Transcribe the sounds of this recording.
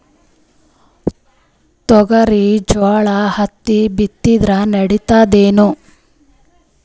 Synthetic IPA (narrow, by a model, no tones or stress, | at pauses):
t̪ɔɡɐɾid͡ʒaːɭɐhɐt̪ːibit̪ːid̪ɾɐnɐɽit̪aːd̪eːnu